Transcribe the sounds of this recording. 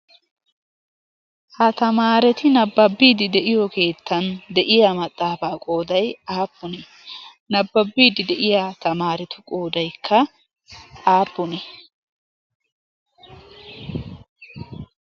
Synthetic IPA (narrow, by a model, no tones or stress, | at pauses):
hɐt̪ɐmaːɾɛt̪ɪnɐbːɐbːiːd̪ɪd̪ɛʔɪjɔke̞ːt̪ːɐnd̪ɛʔɪjɐmɐt̪ʼːaːbaːkʼo̞ːd̪ɐjaːpːʊnɛ | nɐbːɐbːiːd̪ɪd̪ɛʔɪjat̪ɐmaːɾɛt̪ʊkʼo̞ːd̪ɐjkʰːɐ | aːpːʊnɛ